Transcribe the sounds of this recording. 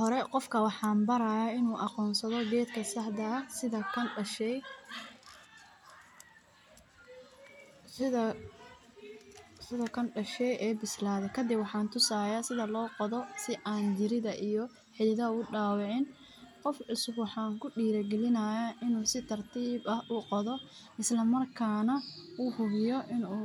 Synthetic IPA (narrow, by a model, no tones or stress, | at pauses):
hɔɾɛqɔfkʰɐwɑħɑːmbɐɾɐːjaːɪnuːʔɑqɔːnsɐðɔɡɛːd̪kʰɐsɐħd̪ɐsɪðɐkʰɐɐʃɛ | sɪɐ | sɪðɐkʰɐnɖɐʃɛjʔɛːbɪslaːðɛkʰɐd̪ɪbwɑħɑːnt̪ʰʊsaːjaːsɪðɐlɔːqɔðɔsɪʔaːnd͡ʒɪɾɪðɐʔijɔ | ħɪðɪðɐʊɖaːwɑʕɪn | qɔfɪsɡwħɑːŋkʰʊɖiːɾɐɡɛlɪnaːjaʔɪnuːsɪt̪ʰɐrt̪ʰiːbɐhʔʊqɔðɔ | ɪslɐmɐrkʰaːnɐʔuːhʊβɪjɔʔɪnuː